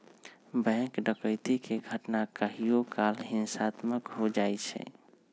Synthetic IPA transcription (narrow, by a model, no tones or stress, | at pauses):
bɛ̃kɖəkəɪt̪ikeɡʱəʈnakəɦijokalɦinsat̪məkɦod͡ʒajt͡ʃʰɛ̰